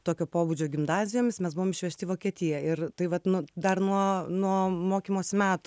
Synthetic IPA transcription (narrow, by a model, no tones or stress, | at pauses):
t̪oːkʲoːpoːbud͡ʒʲoːɡʲɪmnɑːzʲɪjoːmʲɪsmʲɛsbʊʋoːmɪʃʲʋʲɛʃʲt̪ʲɪʋoːkʲiɛt̪ʲɪjɛɪrt̪ɐɪʋɐt̪nʊd̪ɐrnuɔnuɔmoːkʲimoːsʲmʲæːt̪ʊ̥